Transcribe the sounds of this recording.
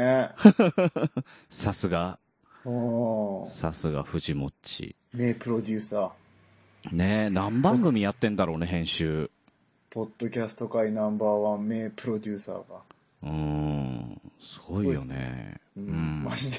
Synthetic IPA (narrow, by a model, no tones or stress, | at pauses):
sasɨɡa | o | sasɨɡa̰ɸɯ̟ʑimo̞t͡ɕḭ | meːpɯ̟ɾo̞d̪ʲɨːsaː | ne̞nãmbãŋɡɯ̟mʲijat̪ːẽ̞nd̪aɾo̞ːne̞ɦẽ̞ɰ̃ɕɨː | po̞d̪̥ːo̞kʲasɨ̥t̪o̞kainãmbaːβãmːeːpɯ̟ɾo̞d̪ʲɨːsa̰ːɡa | ɯ̃ː | sɨɡo̞ijo̞̰nḛɯ̟̃mai